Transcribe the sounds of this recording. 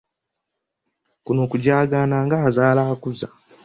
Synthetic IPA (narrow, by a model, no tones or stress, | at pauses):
kunoːkuɟaːɡaːnaːŋɡaazaːlaakuza